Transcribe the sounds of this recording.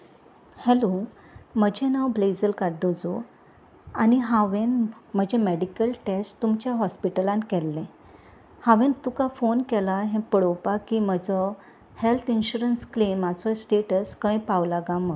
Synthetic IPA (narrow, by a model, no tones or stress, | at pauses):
hɛlo | məd͡ʑʱɛ̃nawbled͡zəlkaɽd̪od͡zo | aniɦãʋẽnm̤əd͡ʑʱɛmeɽikəlʈesʈt̪umt͡ɕjaɦɔspiʈəlãnkɛlːɛ̃ | hãʋẽnt̪ukafonkɛlaɦɛ̃pəɽopakiːməd͡zɔ | helt̪ʰinɕuɾənsklemat͡sɔsʈeʈəskə̃jpawlaɡãmə